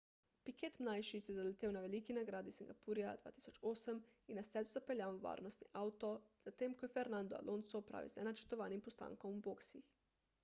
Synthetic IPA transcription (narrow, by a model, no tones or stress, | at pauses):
pikeːt̪mnajʃisɛzalɛt̪eːwnaʋɛliːkinaɡɾaːd̪isiŋɡapuɾijad̪ʋa̰ːt̪i̥ːsɔt͡ʃoːsəminːast̪ɛzuzapɛljaːʋʋa̰ːɾnɔst̪niʔawt̪ɔz̥at̪eːmkɔjɛfɛɾnand̪ɔa̰lʔoːnsɔpɾa̰ʋḭzɛnat͡ʃɛ̥t̪ɔʋaːnimpɔst̪a̰ːŋkɔmuboːksix